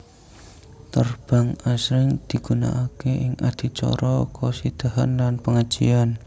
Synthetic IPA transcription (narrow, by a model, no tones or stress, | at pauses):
t̪ərb̥aŋasɾɪŋd̪̥i̤ɡ̥una̰ʔakeʔɪŋʔad̪̥i̤t͡ʃɔ̰ɾɔkɔsid̪̥aɦanlanpəŋḁd͡ʒ̥ḭan